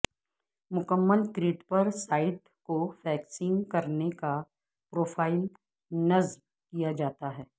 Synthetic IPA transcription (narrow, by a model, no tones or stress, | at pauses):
mʊkəmːəlkɾiːʈpɐɾsaːɪʈ | kofʰɛːksɪ̃ŋɡkɐɾneka | pɾoːfʰaːɪl | nɐzb | kijad͡ʒaːt̪aɦɛː